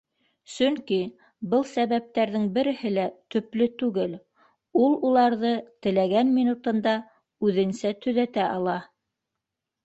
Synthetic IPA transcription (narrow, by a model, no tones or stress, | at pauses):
sɵŋki | bɤlˠsæβæp̚t̪æɾðɘŋbɘ̆ɾɘ̆hɘlæt̪ɵ̆plɘt̪ʉɡɘl | ulˠulˠɑɾðɤt̪ɘ̆læɡænmʲinut̪ɤ̆nd̪ɑ | ʉðɘ̆nsæt̪ɵ̆ðæt̪æʔɑlˠɑ